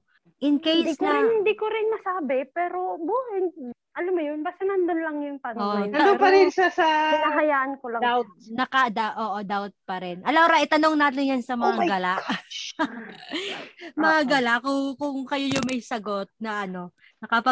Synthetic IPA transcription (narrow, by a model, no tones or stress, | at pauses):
ʔɪnkejsɐɪnd̪ikoɾɪnmɐsaːbɪpɛːɾo̞buːhɛn | ʔɐlamːʊjonbaːst̪ɐnɐnd̪onlɐŋjʊŋt̪ɐnoɐnoŋpɐɾɪnʃasɐɐɦɐjaːʔɐnkolɐŋaw̪̚nɐkɐd̪aʔoːʔod̪awt̪̚pɐɾɪnʔɐlawɾɐʔɪt̪ɐno̞ŋnaːt̪̬ɪnjɐnsɐmɐŋaɡɐlaʔ | mɐŋaɡɐlakʊŋkʊŋkɐjojʊŋmɐjsɐɡo̞t̪̚nɐʔɐno̞ | nɐkɐpɐ